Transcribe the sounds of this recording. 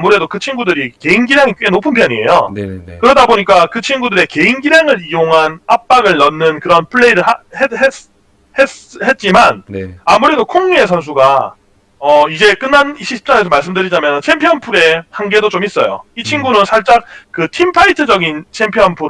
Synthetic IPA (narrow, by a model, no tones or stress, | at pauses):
muɾe̞dokɯt͡ɕʰinɡudɯɾike̞inɡiɾjaŋik͈ɥwe̞nopʰɯnpʰjʌɲie̞̰jo̰nkɯɾʌdaboɲik͈akɯt͡ɕʰinɡudɯɾe̞ke̞inɡiɾaŋɯɾijoŋɦanap̚p͈aɡɯɭːʌnːɯnkɯɾʌnpʰɯɭːe̞iɾɯɭaeɦes | hehe̞t̚t͡ɕ͈imanamuɾe̞dokʰoŋɲue̞sʰʌns̬ʰuɡa | ʌid͡ʑe̞k͈ɯnːaniɕʰii̥p̚t͡ɕ͈aɾesʰʌmaɭs̬͈ɯmdɯɾid͡ʑamjʌnɯnt͡ɕʰe̞mpʰijʌnpʰuɾe̞hanɡe̞dot͡ɕomis͈ʌjo̰it͡ɕʰinɡunɯnsʰaɭt͡ɕ͈ak̚kɯtʰimpʰaitʰɯd͡ʑʌɡint͡ɕʰempʰijʌnpʰuɾ